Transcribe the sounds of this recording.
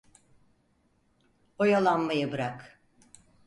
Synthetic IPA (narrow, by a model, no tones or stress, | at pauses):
ojalˠanmajɯbɯɾak